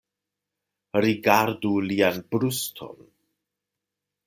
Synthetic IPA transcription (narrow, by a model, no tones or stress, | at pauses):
ɾiɡaɾdulianbɾustʰo̞̰n